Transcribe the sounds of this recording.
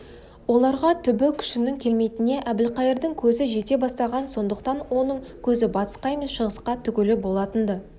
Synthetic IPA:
wo̞lˠɑɾʁɑt̪ʰʏbɪkʲʰʏ̥ʃɪnɪŋkʲʰe̞lme̞jt̪ɪne̞ʔæbɪlqɑjəɾd̪əŋkʲʰɵzɪʒe̞t̪e̞bɑst̪ɑʁɑnso̞nd̪əqt̪ɑnwo̞nəɴkʲʰɵzɪbɑt̪ə̥sqɑjməsʃəʁəsqɑt̪ʰʏkʲɪlɪbo̞lˠɑt̪ənd̪ə

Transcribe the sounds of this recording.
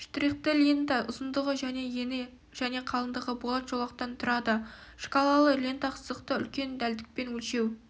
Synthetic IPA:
ʃt̪ɾiqt̪əlʲent̪aʔʊzənd̪əʁəʒæne̞jene | ʒ̥æne̞qʰɑlˠənd̪əʁəbolˠɑt̪ʒ̥olˠɑq̚t̪ɑnt̪ʰʊɾɑd̪əʃkolˠɑlˠəlʲient̪ɑqʰə̥zəqt̪əʏ̰lkʲe̞nd̪æld̪ɪk̚pe̞nwɵlʃe̞w

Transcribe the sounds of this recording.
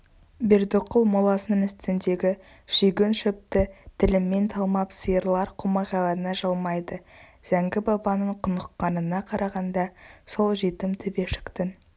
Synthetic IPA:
be̞ɾd̪oqːəlˠmolˠɑsənəɴɪst̪ɪnd̪e̞ɡʲɪ | ʃʏjɡʲenʃɵp̚t̪ɪt̪ʰɪlɪmːe̞nt̪ʰɑlˠmɑpsəjəɾlˠɑɾqʰomɑʁɑlˠɑɾənɑʒɑlˠmɑjd̪əz̥æŋɡʲɪbɑbɑnəɴqʰʊnəqːɑnənɑqʰɑɾʔɑʁɑnd̪ɑso̞lˠʒet̪ɪmt̪ʰɵbe̞ʃɪ̥kt̪ɪn

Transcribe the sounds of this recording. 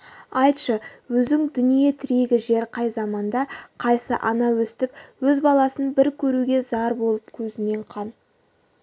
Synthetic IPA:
ɑjt̪ʃəwɵzɪŋd̪ʏnije̞t̪ʰɪɾe̞ɡʲɪʒe̞ɾqʰɑjzɑmɑnd̪ɑqʰɑjsəʔɑnɑwɵst̪ɪp̚wɵzbɑlˠɑsənbɪɾkʲʰɵɾuɡʲe̞zɑɾbo̞lˠəpkʲʰɵzɪne̞ɴqʰɑn

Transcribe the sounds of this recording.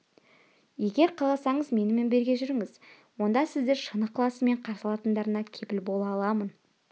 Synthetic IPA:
je̞ɡʲe̞ɾqʰɑɑsɑɴəzme̞nɪme̞nbe̞ɾɡʲe̞ʒʏɾɪŋɪz̥ | wo̞nd̪ɑsɪzd̪e̞ɾʃənəqʰːlˠɑsəme̞ɴqʰɑɾsəlˠɑt̪ənd̪ɑɾənɑkʲʰe̞pɪlbo̞lˠɑlˠɑmən

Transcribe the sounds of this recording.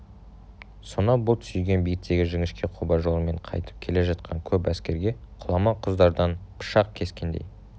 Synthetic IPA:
so̞nɑbʊlˠt̪ʰʏ̥sʏjɡʲe̞nbijɡɪt̪ːe̞ɡʲɪʒɪŋɪʃkʲe̞qʰubɑʒo̞lˠəme̞ɴqʰɑ̰jt̪ə̥p̚kʲʰele̞ʒɑt̪̚qʰɑŋkʲʰɵpæskʲe̞ɾɡʲe̞qʰʊlˠɑmɑqʰəzd̪ɑɾd̪ɑnpʰə̥ʃɑqkʲʰe̞skʲe̞nd̪ḛj

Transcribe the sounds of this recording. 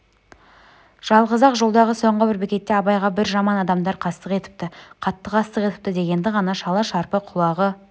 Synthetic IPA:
ʒ̥ɑlˠʁəzɑqʒolˠd̪ɑʁəso̞ɴʁəbɪɾbɪkʲe̞t̪ːe̞ɑbɑjʁɑbɪɾʒɑmɑnɑd̪ɑmd̪ɑɾqʰɑst̪əqe̞t̪ɪ̥p̚t̪ɪqʰɑt̪ːəqʰɑst̪əqe̞t̪ɪ̥p̚t̪ɪd̪e̞ɡʲe̞nd̪ɪʁɑnɑʃɑlˠɑʃɑɾpəqʰʊlˠɑʁə

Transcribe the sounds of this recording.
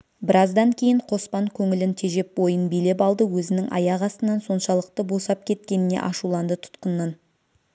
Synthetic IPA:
bɪɾɑzd̪ɑŋkʲʰe̞jɪɴqʰo̞spɑŋkʲʰɵŋɪlɪnt̪ʰe̞ʒe̞p̚wo̞jənbijle̞p̬ɑlˠd̪əwɵzɪnɪŋʔɑ̰jɑʁɑst̪ənɑnso̞nʃɑlˠəq̚t̪əbo̞sɑp̚kʲʰe̞t̪kʲe̞nɪne̞̰ʔɑʃulˠɑnd̪ət̪ʰʊ̥t̪qənːɑn

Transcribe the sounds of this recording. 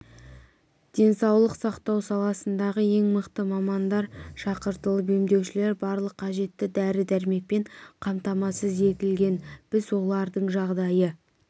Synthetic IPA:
d̪̥e̞nsɑwlˠəqsɑqt̪ɑwsɑlˠɑsənd̪ɑʁəe̞ŋməqt̪əmɑmɑnd̪ɑɾʃɑqəɾt̪əlˠəbe̞md̪e̞wʃɪle̞ɾbɑɾlˠəqʰːɑʒe̞t̪ːɪd̪æɾɪd̪æɾme̞k̚pe̞ɴqʰɑmt̪ɑmɑsəzje̞kʲɪlɡʲe̞nb̥ɪzwo̞lˠɑɾd̪əɴʒɑʁd̪ɑjə

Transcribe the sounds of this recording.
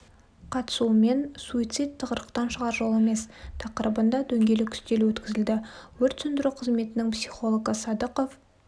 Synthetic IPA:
qʰɑt̪ə̥sume̞nsuit̪sɨjt̪ʰːəʁəɾəqt̪ɑnʃəʁɑɾʒo̞lˠe̞me̞st̪ʰɑqəɾəbənd̪ɑd̪ɵŋɡʲe̞lɪkʲʰʏ̥st̪e̞lwɵt̪kʲɪzɪld̪ɪwɵɾt̪sʏnd̪ɪɾuqʰəzme̞t̪ɪnɪŋpsiχo̞lˠoɡəsɑd̪əqof

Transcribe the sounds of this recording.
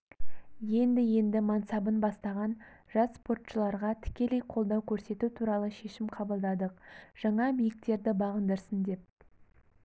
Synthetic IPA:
je̞nd̪ɪje̞nd̪ɪmɑnsɑbənbɑst̪ɑʁɑn | ʒ̥ɑsspo̞rt̪ʃəlˠɑɾʁɑt̪ʰɪ̥kʲe̞le̞jqʰo̞lˠd̪ɑwkʲʰɵɾse̞t̪ut̪ʰuɾɑlˠəʃe̞ʃɪmqʰɑbəlˠd̪ɑd̪əq̚ʒ̥ɑɴɑbijɪk̚t̪e̞ɾd̪ɪbɑʁənd̪əɾsənd̪e̞p̚

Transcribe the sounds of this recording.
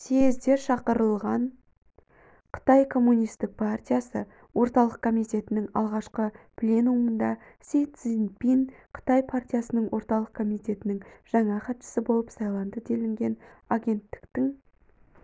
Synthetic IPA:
sezd̪e̞ɾʃɑqəɾəlˠʁɑɴ | qʰə̥t̪ɑjkʰo̞mːunijst̪ɪk̚pʰart̪ʲijasə | wo̞ɾt̪ɑlˠəq̚kʰo̞mijt̪ʲe̞t̪ɪnɪŋɑ̰lˠʁɑʃqəpʰlʲenumənd̪ɑ | sejt̪sinpinqʰə̥t̪ɑjpʰart̪ʲijasənəɴwo̞ɾt̪ɑlˠəq̚kʰo̞mijt̪ʲe̞t̪ɪnɪŋʒ̥ɑɴɑχɑt̪ʃə̥səbo̞lˠəpsɑjlˠɑnd̪əd̪e̞lɪŋɡʲe̞naɡʲe̞nt̪ːɪ̥kt̪ɪŋ

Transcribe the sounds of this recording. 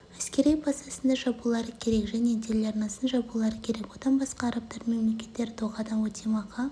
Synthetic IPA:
æskʲe̞ɾejbɑst̪ɑsənd̪ɑʒɑbulˠɑɾəkʲʰe̞ɾe̞kʒæne̞d̪elɑɾnɑsənʒɑbulˠɑɾəkʲʰe̞ɾe̞kwo̞d̪ɑnbɑsqɑːɾɑp̚t̪ɑɾme̞mle̞kʲe̞̥t̪ːe̞ɾt̪ʰoʁɑd̪ɑnwot̪ʰemɑqɑ

